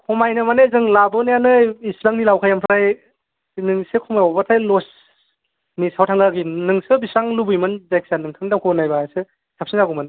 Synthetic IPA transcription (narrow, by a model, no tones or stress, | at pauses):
kʰɔmajnɯmanezɯŋlabɔnajanɯisɾaŋnilawkʰajampʰɾaj | nɯŋsekʰɔmajɔbatʰajlɔs | nisawtʰaŋaɡinɯŋsɯbisaŋlubɯjmɯnzajk̚sanɯŋtʰaŋdamkʰɔnajbajsɯ | sʰap̚sinzaɡumɯn